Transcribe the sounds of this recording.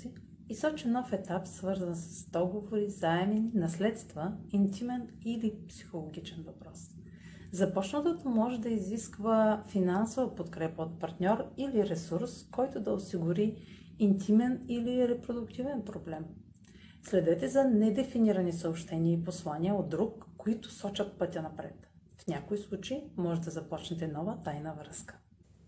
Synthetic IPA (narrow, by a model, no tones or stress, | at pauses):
i | isɔt͡ʃɛnɔfɛt̪apsvɤɾzənsə̥sd̪ɔɡovoɾizaɛmɛninɐslɛt̪st̪vəint̪imɛnilipsi̥xolˠoɡ̟it͡ʃɛnvɐpɾɔs | zɐpɔt͡ʃnət̪ot̪əmɔʒɛd̪ɐiziskvəfinansovəpot̪kɾɛpəot̪̚pɐɾt̪nʲɔɾiliɾɛsuɾskɔjt̪ʊd̪ɐosiɡuɾi | int̪ʰimɛniliɾɛpɾod̪ukt̪ivɛnpɾoblɛm | slɛd̪ɛt̪ɛzɐnɛd̪ɛfiniɾɐnisəopʃt̪ɛniəiposlˠaniəod̪ːɾukːoit̪ʊ̥sɔt͡ʃət̪̚pɤt̪ʲənɐpɾɛ̰t̪ | fnʲakoislˠut͡ʃeimɔʒɛd̪ɐzɐpɔt͡ʃnɛt̪ɛnɔvət̪ajnəvɾəskə̥